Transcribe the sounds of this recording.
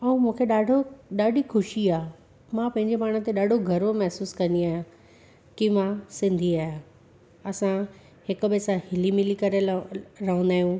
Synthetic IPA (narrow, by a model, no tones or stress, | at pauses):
ɐũmũːkʰeɗaːɖʱoɗaːɖʱixʰʊʃiaː | mãpɐ̃ɦɪ̃ɲd͡ʑemaːɽ̤̃ə̃̆t̪eɗaːɖʱoɡʱɐɾomɐɦsuːskɐ̃nd̪iaːɦjã | kimãsɪ̃nd̪ʱiaːjã | ɐsã | hɪkʊ̆besãhɪlimɪlikɐɾeɾɐɦũnd̪aːɦijũː